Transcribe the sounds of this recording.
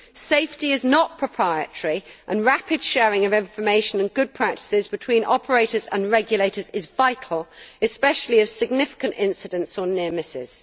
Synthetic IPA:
seɪftiɪznəʔ̚pʰɹ̥əpʰɹ̥aɪə̰təɹiʔə̃nɹapɪd̥ʃɛːɹɪ̃ŋəvɪ̃ɱfəmeɪʃə̃nə̃nɡʊd̚pʰɹ̥ak̚tɪ̥sɪzbɪtʰw̥ĩːnʔɒ̰pʰəɹeɪtəzə̰̃nɹɛɡjəleɪtəzɪzvaɪtʰˡəl̩ˠɪspɛʃəliəv̥sɪɡ̚nɪfɪ̥kə̃ntɪ̰̃nsɪdə̃ntsənɪəmɪsɪ̰z̥

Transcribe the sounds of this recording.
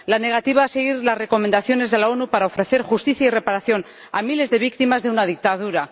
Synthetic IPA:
lane̞ɣ̞at̪iβ̞aese̞ɣ̞iɾlasre̞ko̞mend̪aθjo̞ne̞zðe̞lao̞nupaɾao̞fɾe̞θe̞ɾxust̪iθjaire̞paɾaθjo̞n | a̰mile̞zðe̞β̞ik̚t̪imazðe̞unaðik̚t̪aðuɾa

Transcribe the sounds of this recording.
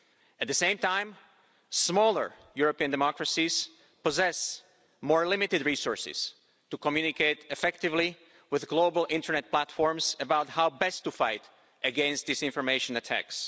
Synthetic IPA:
æt̪̚ðɨsẽɪ̃mtãɪ̃m | smɔlˠə̰˞ | juɹɔpiɨ̃ndɛmɔkɹəsiz̥ | pɔzɛs | mɔɹlɪ̃mɪtɨdɹisɔɹsɪ̰z̥ | tukɔmjunɪkeɪtɨfɛktɪvli | wɪðɡloʊbl̩ˠɪ̃ntə˞nɛt̚pʰl̥ætfɔɹmzɨbaʊthaʊbɛstːufaɪt | ɨɡɛ̃nst̪̚ðisɪ̃ɱfɔɹmeɪʃə̃nɨtʰæ̰ks

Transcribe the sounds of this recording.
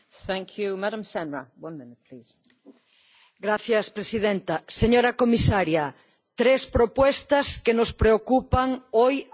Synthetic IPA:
θæ̃ŋkʰjumaɾə̃msɛnɹə̰wʌ̃nmɪ̃nɪt̚pʰl̥iːz̥ | ɡɾaθjɐspɾesiðent̪ɐseɲoɾɐkomisaɾjɐ | t̪ɾespɾopwɛst̪ɐskenʊspɾeokupɐŋoj

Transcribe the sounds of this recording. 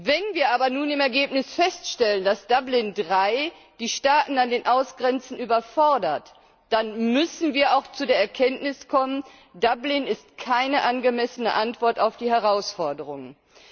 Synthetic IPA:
vɛnviːɐʔaːbɐnuːnɪmɛɐɡeːpnɪsfɛstʃtɛləndasd̥ablɪndʁaɪ | d̥iːʃtaːtn̩andeːnʔaʊsɡ̥ʁɛnt͡sn̩ʔyːbɐfɔɐdɐt | d̥anmʏsn̩viːɐaʊxt͡sudeːɐɛɐkʰɛntnɪskʰɔmən | dablɪnɪstkʰaɪnəʔanɡəmɛsənə̰ʔantv̥ɔɐtaʊfd̥iːhɛʁaʊsfɔɐdəʁʊŋə

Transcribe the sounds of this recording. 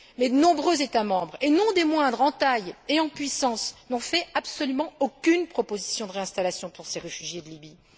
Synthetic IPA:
mɛd̪ənɔ̃bʁøzet̪amɑ̃bʁenɔ̃d̪emwɛ̃d̪ʁɑ̃t̪ajeɑ̃pɥisɑ̃snɔ̃fɛabsɔlymɑ̃okʲynpχɔpozisjɔ̃d̪əʁeɛ̃st̪alasjɔ̃puʁseʁefyʒjed̪əlibi

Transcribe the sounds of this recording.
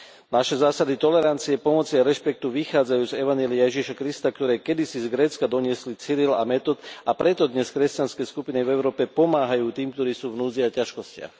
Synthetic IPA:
naʃɛzaːsad̪it̪ɔlɛɾant͡siɛpɔmɔt͡siaɾɛʃpɛk̚t̪uʋixaːd͡zajuːzɛʋaɲjɛliajɛʒiʃakɾist̪akt̪ɔɾɛːkɛd̪isizɡɾɛːt͡skad̪ɔɲɪɛslit͡siɾilamɛt̪ɔt̪apɾɛt̪ɔd̪ɲɛskɾɛscanskɛskupinivɛʊɾɔːpɛpɔmaːɦajuːt̪iːmk̚t̪ɔɾiːsuːvnuːd͡ziacaʃkɔscɪa̰x

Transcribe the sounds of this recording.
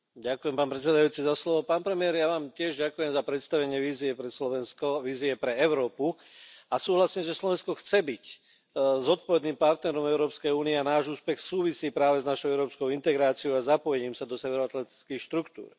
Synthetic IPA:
ɟakujɛmpaːnpɾɛt̪t͡sɛd̪ajuːt͡sizaslɔʋɔpaːnpɾɛmɪɛɾjaʋaːmcɪɛʒɟakujɛmzapɾɛt̪st̪aʋɛɲɪɛʋiːziɛpɾɛslɔʋɛnskɔʋiːziɛpɾɛɛʊɾɔːpu | asuːɦlasiːmʒɛslɔʋɛnskɔxt͡sɛbic | zɔt̪̚pɔʋɛd̪niːmpaɾt̪nɛɾɔmɛʊɾɔːpskɛjuːniɛanaːʒuːspɛxsuːʋisiːpɾaːʋɛznaʃɔʊɛʊɾɔːpskɔʊint̪ɛɡɾaːt͡siɔʊazapɔjɛɲiːmsad̪ɔsɛʋɛɾɔat̪lɛt̪i̥t͡skixʃt̪ɾukt̪ṵːɾ

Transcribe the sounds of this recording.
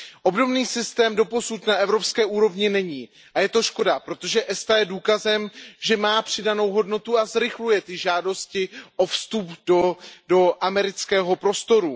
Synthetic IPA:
ʔo̞bdo̞bniːsɪst̪ɛːmdo̞po̞sut̪naʔɛvɾo̞pskɛːʔuːɾo̞vɲɪnɛɲiː | ʔajɛt̪oʃko̞dapɾo̞t̪o̞ʒɛʔɛst̪ajɛduːkazɛmʒɛmaːpr̝̥ɪdano̞wɦo̞dno̞t̪uazɾɪxlujɛt̪ɪʒaːdo̞scɪʔo̞fst̪updodo̞ʔamɛɾɪt͡skɛːɦo̞pɾo̞st̪o̞ɾu

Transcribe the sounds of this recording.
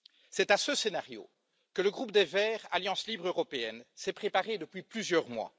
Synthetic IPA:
sɛt̪asəsenaʁjo̰ | kələɡʁup̚d̪evɛːʁaljɑ̃slibʁøʁɔpeɛnsɛpχepaʁed̪əpɥiplyzjœʁmwa̰

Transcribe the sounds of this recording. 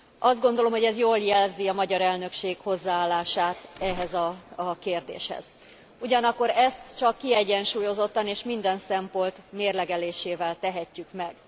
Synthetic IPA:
ɒzd̪ɡo̞nd̪olo̞mɦo̞ɟɛzjoːljɛlziɒmɒɟɒɾɛlnø̞kʃeːkho̞zːaaːlːaːʃaːt̪ɛɦɛzɒkeːrd̪ḛːʃhɛ̰z̥ | uɟɒnɒkːo̞ɾɛst̪t͡ʃɒkːiɛɟɛnʃuːjo̞zo̞t̪ːɒneːʃmind̪ɛnsɛmpolt̪meːrlɛɡɛleːʃeːvɛlt̪ɛɦɛcːykmɛɡ̥

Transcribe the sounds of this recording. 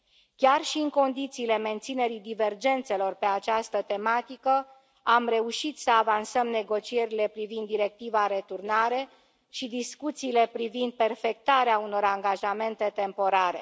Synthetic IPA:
kʲarʃiɨŋko̞nd̪it̪siːle̞me̞nt̪sine̞ɾid̪ive̞rd͡ʒe̞nt̪se̞lo̞rpe̞at͡ʃast̪ət̪e̞mat̪ikə | amre̞uʃit̪səavansəmne̞ɡo̞t͡ʃie̞ɾile̞pɾivind̪ːiɾe̞k̚t̪ivaɾe̞t̪urnaɾe̞ | ʃid̪iskut̪siːle̞pɾivind̪̚pe̞rfe̞k̚t̪aɾeauno̞ɾaŋɡaʒame̞nt̪e̞t̪e̞mpo̞ɾaɾe̞̰

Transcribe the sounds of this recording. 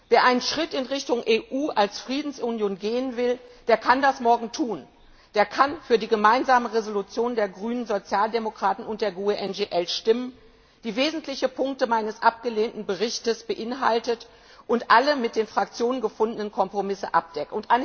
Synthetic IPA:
veːɐʔaɪnənʃʁ̥ɪtɪnʁɪçtʊŋʔeːʔuːʔalsfʁ̥iːdn̩sʔunjoːnɡeːənvɪld̥eːɐkʰandasmɔɐɡŋ̩tʰuːn | d̥eːɐkʰanfyːɐdiːɡəmaɪnzaːməʁezolut͡sjoːndeːɐɡʁyːnənzot͡sjaːldemokʁ̥aːtn̩ʊnt̚d̥eːɐɡuːeʔɛnɡeʔɛlʃtɪmən | d̥iːveːzn̩tʰlɪçəpʰʊŋk̚təmaɪnəsʔap̚ɡ̥əleːntn̩bəʁɪçtəsb̥əʔɪnɦa̰ltət | ʔʊntʔaləmɪt̚d̥eːnfʁ̥ak̚t͡sjoːnənɡəfʊndənənkʰɔmpʁ̥omɪsəʔa̰p̚d̥ɛk̩ʊntʔan

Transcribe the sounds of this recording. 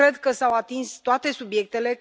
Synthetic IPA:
ɾe̞d̪kəsawat̪inst̪oat̪e̞subje̞k̚t̪e̞le̞

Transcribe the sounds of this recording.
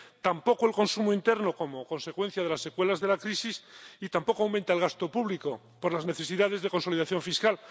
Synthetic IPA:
t̪ampo̞koe̞lko̞nsumoint̪e̞ɾno̞ko̞mokõ̞nse̞kwe̞n̟θjaðe̞lasːe̞kwe̞lazðe̞lakɾisisit̪ampo̞koawmẽnt̪aelɣast̪o̞puβliko̞ | poɾlazne̞θe̞siðaðe̞zðe̞ko̞nso̞liðaθjõ̞ɱfiskal

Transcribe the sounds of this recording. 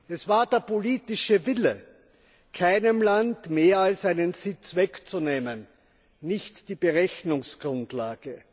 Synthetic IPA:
ʔɛsv̥aːɐdeːɐpʰoliːtɪʃəvɪlə̰ | kʰaɪnəmlantmeːɐalsaɪnənzɪt͡svɛkt͡suneːmənː | ɪçtd̥iːb̥əʁɛçnʊŋsɡ̥ʁʊntlaːɡ̥ə

